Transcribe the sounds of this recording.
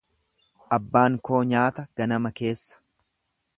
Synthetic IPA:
ʔɐbːaːŋko̞ːɲaːt̪ɐɡ̥ɐnɐmɐke̞ːsːɐ̥

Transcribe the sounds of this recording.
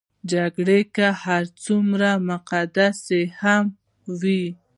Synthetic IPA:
d͡ʒaɡɽekahaɾt͡sumɾamʊqad̪aseham | wi

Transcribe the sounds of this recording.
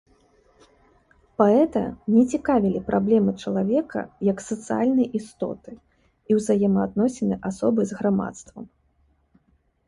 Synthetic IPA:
paɛt̪ɐ̰nʲɛt͡sʲikavʲilʲipɾʔablʲɛmɨt͡ʂɐlˠavʲɛkʰɐ̰jɐksɐt̪sɨalʲnɐjʔist̪ɔ̰t̪ɨ | iwzajɛmɐːd̪̚nɔsʲɛnɨʔasɔbɨzɣɾama̰t̪st̪vɐm

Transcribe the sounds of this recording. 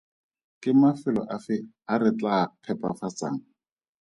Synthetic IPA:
kɪmafɪlɔʔafɪ | arɪt͡ɬapʰɛpa̰fat͡sa̰ːŋ̩

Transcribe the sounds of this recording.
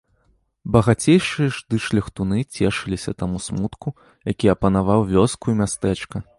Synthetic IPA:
bɐɣat͡sʲejʂɨjɐʐd̪ɨʂlʲɐxt̪unɨt͡sʲɛʂɨlʲisʲɐt̪amusmut̪ku | jakʲiɐpɐnavawvʲɔskujumʲast̪ɛt͡ʂkɐ

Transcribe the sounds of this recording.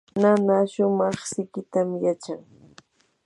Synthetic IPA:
nanaʃʊmɑχsɪkɪt̪amjat͡ʃaŋ

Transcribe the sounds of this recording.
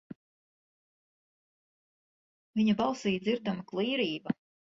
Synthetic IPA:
viɲɐbɑlˠsiːjd̪ziɾd̪amaklˠiːɾiːbɐ

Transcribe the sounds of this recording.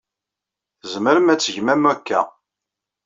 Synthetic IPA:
zəməɾəmæt͡sːəʝmæmækːæ̰

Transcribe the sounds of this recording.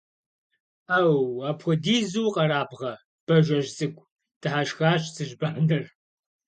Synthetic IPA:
aːwaːpʰxʷʊdiːzuwqɐɾaːbʁɐ | b̥ɐʒʷɐʒzʼɨkʷʼ | d̥ɨħaʃxaːɕʼt͡sʰɨʒbaːnɨr

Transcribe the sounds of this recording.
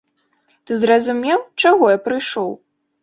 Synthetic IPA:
t̪ɨzrɐzumʲɛwt͡ʂaɣɔjapɾɨjʂɔw

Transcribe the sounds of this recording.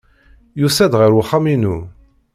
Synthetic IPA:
jusæd̪ʁəɾwχaminu

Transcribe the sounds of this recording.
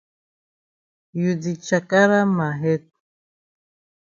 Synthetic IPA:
jud̪it͡ʃakʼaɾamaɦɛt̪̚

